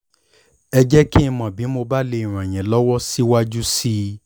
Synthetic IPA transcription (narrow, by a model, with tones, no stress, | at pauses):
ɛ˧d͡ʒɛ˦kĩ˦˧mɔ̃˨bi˨˦mo˧ba˦le˧i˨ɾ̃ã˨j̃ɛ̃˨lɔ˦wɔ˦si˦wa˦d͡ʒu˦si˦